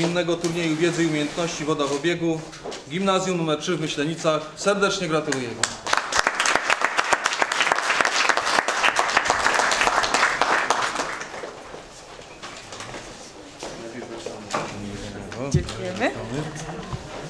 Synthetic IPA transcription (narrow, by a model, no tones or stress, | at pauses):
inːɛɡɔt̪uɾɲejuvʲjɛd̪zɘiumʲejɛnt̪nɔɕt͡ɕivɔd̪avɔbʲjɛɡu | ɡʲimnazʲjumnumɛɾtʂɘvmɘɕlɛɲit̪saxsɛɾd̪ɛt͡ʂɲɛɡɾat̪ulujɛmʲɛ | ɛvŋjɛmam